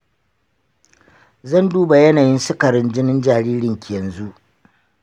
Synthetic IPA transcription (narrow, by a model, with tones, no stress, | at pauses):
zɐ˦nduː˦ba˨jɐ˦naː˨jɪ˦nsʊ˦kɐ˨ɾɪ˦nd͡ʒɪ˦nɪ˦nd͡ʒaː˨ɾiː˦ɾɪ˨ŋkʲʰe˨nzu˦ʔ